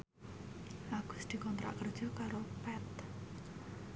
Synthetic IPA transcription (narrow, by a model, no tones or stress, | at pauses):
ʔaɡ̥ʊ̤sd̪̥i̤kɔnt̪ɾa̰ʔkərd̥ʒ̥ɔ̤kaɾopɛt̪